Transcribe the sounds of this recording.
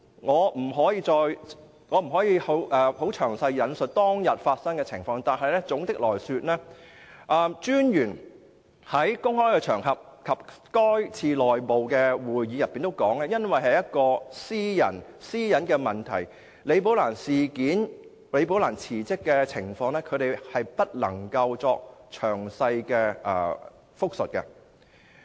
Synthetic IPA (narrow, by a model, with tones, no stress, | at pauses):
ŋɔː˨˧m̩˨˩ɦɔː˨˥jiː˨˧t͡sɔː˧j | ŋɔː˨˧m̩˨˩ɦɔː˨˥jiː˨˧ho˨˥wʔɛː˨ho˨˥wt͡ʃʰœː˨˩ŋsɐ˧jːɐ˨˧nsɵ˨˩t̚t̪ɔː˥ŋjɐ˨t̚faː˧t̚sɐ˥ŋkɛː˧t͡sʰɪ̰˨˩ŋfɔː˧ŋt̪aː˨nɦɐ˨jlɛ˥t͡sʊ˨˥ŋt̪ɪ˥k̚lɔː˨˩jsyː˧t̚lɛː˥ʔɐː˧t͡ʃyː˥njyː˨˩n | hɐ˨˥jkʊ˥ŋhɔː˥jkɛː˧t͡ʃʰœː˨˩ŋɦɐ˨p̚kʰɐ˨p̚kɔː˥jt͡sʰiː˧lɔː˨˩jpo˨wkɛː˧wuː˨jjiː˨˧jɐ˨p̚pːiː˨nt̪o˥wkɔː˨˥ŋlɛː˥jɐ˥nwɐ˨jɦɐ˨jɐ˥t̚kɔː˧siː˥jɐ̰˨˩nsiː˥jɐ˨˥nkɛː˧mɐ˨nt̪ʰɐ̰˨˩j | le˨˧jp̬o˨˥wlaː˨˩nsiː˨˩kiː˨˥n | le˨˧jp̬o˨˥wlaː˨˩nt͡sʰiː˨˩t͡sɪ˥kːɛː˧t͡sʰɪ˨˩ŋfɔː˧ŋlɛː˥kʰɵ˨˧ɥɾe˨jhɐ˨jpɐ˥t̚lɐ̰˨˩ŋkɐ˧wt͡sɔː˧k̚t͡ʃʰœː˨˩ŋsɐ˧jkɛː˧ɐ̰ː˧ | fʊ˥k̚sɵ˨t̚kɛ̰˧